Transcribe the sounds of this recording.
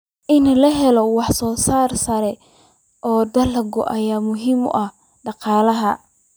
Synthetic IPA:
ʔɪnɐlɐɦɛlɔwɑħsɔːsaːrsɐɾɛ | ʔɔːd̪ɐlɐɡʊ̰ʔɐjaːmʊɦiːmʊ̰ʔɐh | ɖɑqɑːlɐɦɐ

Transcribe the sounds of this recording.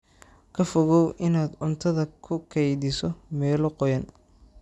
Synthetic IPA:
kʰɐfɔɣɔwʔɪnaːd̪ʊnt̪ʰɐðɐkʰʊkʰɛjðɪsɔmɛːlɔqɔjɐn

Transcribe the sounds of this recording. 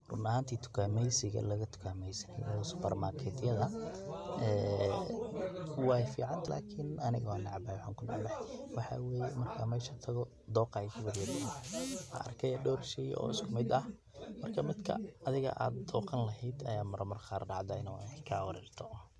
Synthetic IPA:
rʊnɐɦaːnt̪ʰiːt̪ʰʊ̥kʰaːmɛjsɪɣɐ̰lɐɣɐt̪ʰʊ̥kʰaːmɛjsɐnɛjɐɔsʊ̥pɐrmakʰɛːt̪jɐðɐ | ɛː | wɑːjfḭːʕɑnlʔa̰ːkʰɪnʔɐnɪɣɔnɑʕbwʊħaːŋkʰʊnɑʕbɛħɛwɑħɑ̰ːwɛːjɛmɐrkʰaːmɛːʃat̪ʰɐɣɔ | d̪ɔːqɑɛkʰɐwɐɾjɐɾɪnɐ̰ɐ̰rkʰɛjɐɖɔːɾʃɛj̰ʔɔ̰ːɪskʰʊmɪd̪ɐh | mɐrkʰɐmɪd̪kʰɐ̰ːðɪɣɐ̰ʔa̰ːd̪d̪ɔːqɐnlɐɦɛjd̪ɐjaːmɐɾʔɐmɐrχaːrɖɑʕd̪ɐɪnɔkʰawɑɾɛːrt̪ʰɔ

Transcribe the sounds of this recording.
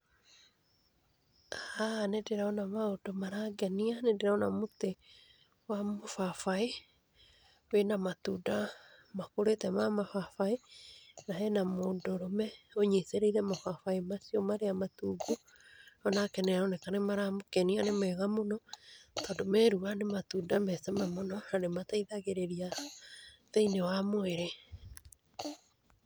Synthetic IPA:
aanedeɾaɔnamaodomaɾaɡɛnianendeɾaɔnamot̪e | wamofafae | wenamat̪uda | makoɾetɛmamafafaenaɦɛnamodoɾɔmɛoɲeseɾeiɾɛmafafaemasiomaɾeamatuːɡu | ɔnakɛnɛɾɔnekanemaɾamokɛnianemɛɣamonɔtɔdomɛɾuanematudamɛsɛmamonɔaɾemataiðaɣeɾeɾia | ðeinewamoeɾe

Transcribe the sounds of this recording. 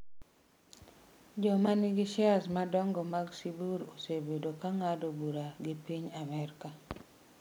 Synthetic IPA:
d͡ʒɔmaniɡɪʃɪasmadɔŋɡɔmaɡsibuɾosebedokaŋadobuɾaɡɪpiɲamɛɾka

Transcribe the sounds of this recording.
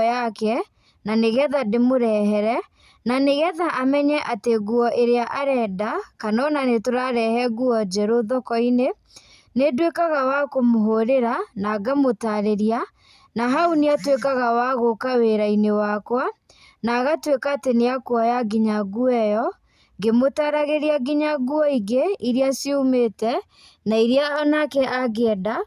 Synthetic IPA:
jakɛ | naneɣɛðademoɾɛɦɛɾɛ | naneɣɛðaʔamɛɲɛʔateɣuɔʔeɾeaʔaɾɛːdakanɔnanetoɾaɾɛhɛɣuɔd͡ʒɛɾoðɔkɔine | nedwekaɣawakomoɦoɾeɾanaɡamotaɾeɾia | naɦauneatwekaɣawaɣokaweɾainewakwa | naɣatwekateneakwɔjaɡiɲaɡuɛjɔ | ɡemotaɾaɣeɾiaɡiɲaɡuɔiɣeiɾiasiumetɛ | naiɾiaɔnakɛʔaɣeɛda

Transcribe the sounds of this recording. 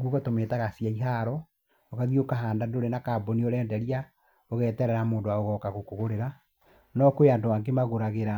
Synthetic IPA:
ɡoɣɔtometaɣasijaiɦaːɾɔ | okaɣiokaɦaːndadoɾenakaːbonioɾɛːndɛɾia | oɣɛːtɛɾɛɾamoːndowaoɣɔkaɣokoɣoɾeɾa | nɔkoeandoaːŋɡemaɣoɾaɣeɾa

